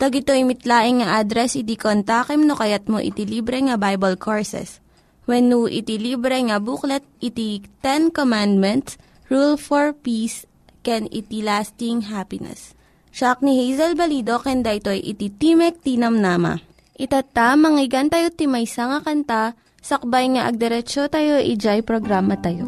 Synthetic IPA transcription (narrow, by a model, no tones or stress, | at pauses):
t̪ɐɡɪt̪ojmɪt̪laːʔɪŋŋɐʔad̪ɾɛsʔɪt̪ikont̪akɛmnokɐjat̪̚mo̰ʔɪ̰t̪iliːbɾɛŋɐbajbɐlkʰoɹsɛ̰s | wɛnːuʔɪ̰t̪iliːbɾɛŋɐbuklɛt̪̚ʔɪt̪it̪ɛnkomand̪̚mɛnt̪s | ɹulfoɹpis | kɛnɪ̰t̪ilast̪ɪŋɦapɪnɛ̰s | t͡ʃak̚nihejzɐlbɐlid̪o̞kɛnd̪aʔɪt̪o̞ʔɐjʔɪt̪it̪imɛk̚t̪iːnɐmnamɐ̰ | ʔɪt̪at̪amɐŋɪɡant̪ɐjot̪ɪmɐjsɐŋɐkɐnt̪a | sɐk̚bajŋɐʔɐɡ̚d̪ɛɾɛt͡ʃot̪ajo̞ʔid͡ʒajpɾoɡɾaːmɐt̪ɐjo